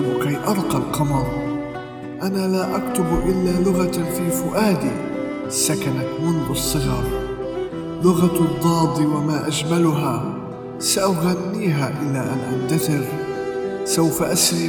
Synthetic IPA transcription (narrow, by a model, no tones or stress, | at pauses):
kajʔɑɾˤqɑlqɑmɑɾˤ | ʔanalaːʔakt̪ʊbʔɪlːaːlʊɣafiːfʊʔaːd̪ḭ | sːakanat̪mʊnðʊsˤːɨɣɑːɾˤ | lʊɣad̪ˤːɑːd̪ˤiwamaːʔad͡ʒmalʊɦa | saʔaɣanːiːɦaʔɪlːaʔanʔant̪aθɪɾ | sawfaʔasɾi